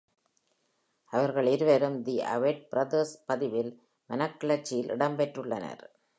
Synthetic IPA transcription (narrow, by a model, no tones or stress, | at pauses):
ɐʋɐɾɣɐɭɪɾɯʋeɾɯmd̪iʔɐ̰ʋeʈ̚bɪɾɐd̪ɐspɐðɪʋɪl | mɐnɐkːɐɭɐt͡ʃːɪjɪlʔɪ̰ɽɐmbɛʈrɯɭːɐnɐ̰ɾ